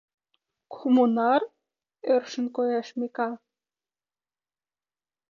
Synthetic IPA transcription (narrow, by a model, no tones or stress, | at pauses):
kʰumunɑr | ørʃə̆nkojɑʃmekɑ